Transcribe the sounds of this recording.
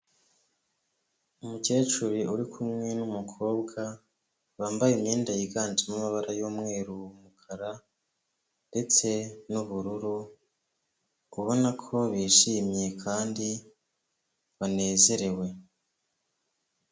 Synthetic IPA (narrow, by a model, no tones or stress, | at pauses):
umuce̞ːt͡ʃuɾiʔuɾikʰumŋe̞numukʰo̞ːbɡa | βaːmbajimɲeːndajiɡaːntimamaβaɾajoːmŋe̞ːɾuwumukʰaɾa | nde̞t͡se̞nuβuɾuɾu | uβo̞nakʰo̞βiʃimje̞kʰaːndi | βane̞ːze̞ɾe̞we̞